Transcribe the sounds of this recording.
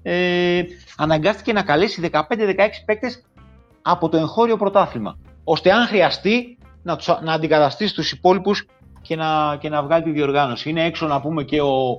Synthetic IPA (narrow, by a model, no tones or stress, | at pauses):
e | ɐnɐŋɡɐst̪i̥ce̞nɐkɐle̞siðe̞kɐpe̞nd̪e̞ðe̞kɐe̞ksi̥pe̞k̚t̪e̞s | ɐpo̞t̪o̞e̞ŋxo̞ɾio̞pɾo̞t̪ɐθilmɐ̰o̞st̪e̞ɐŋxɾiɐst̪i | nɐt̪u̥snɐːnd̪ikɐt̪ɐst̪isi̥t̪usipo̞lipus | ce̞nɐce̞nɐvɣɐlit̪iðio̞ɾɣɐno̞siineeksonɐpume̞ce̞o̞